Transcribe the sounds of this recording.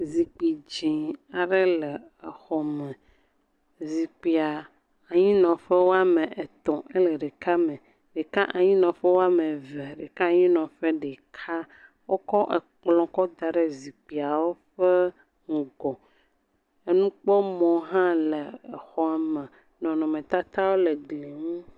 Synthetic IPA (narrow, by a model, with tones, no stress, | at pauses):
zi˨k͡pi˨d͡ʑĩ˨a˨ɖe˦lə˨ | e˨xɔ˨mẽ˨ | zi˨k͡pi˨a˨ | a˨ɲĩ˦nɔ̃˨ɸe˦wo˦a˦mẽ˨ʔe˨t̪ɔ̃˨ʔe˦le˨ɖe˨ka˦mẽ˨ | ɖe˨ka˦ʔa˨ɲĩ˦nɔ̃˨ɸe˦wo˦a˦me˨ve˨ɖe˨ka˦a˨ɲĩ˦nɔ̃˨ɸe˦ɖe˨kʰa˦ | wo˦kɔ˦ʔe˨k͡plɔ̃˨kɔ˦d̪a˨ɖe˦zi˨k͡pi˨a˨wo˦ɸe˦ | ŋ̩˨ɡɔ˨ | e˦nũ˦k͡pɔ˦mɔ̃˨ɦã˦le˨e˨xɔ˦a˨mẽ˨ | nɔ̃˨nɔ̃˨mẽ˨t̪a˦t̪a˦wo˦le˨ɡle˨ŋũ˦